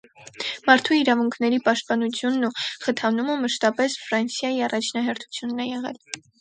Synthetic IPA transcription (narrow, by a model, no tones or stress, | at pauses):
mɑɾt̪ʰuiɾɑvuŋkʰnɛɾipɑʃt̪̚pɑnut͡sʰjunːuχət̪ʰɑnuməməʃt̪ɑpɛsfɾɑnsjɑjiɑrɑt͡ʃʰnɑɦɛɾt̪ʰu̥t͡sʰjunːɛjɛʁɛ̰l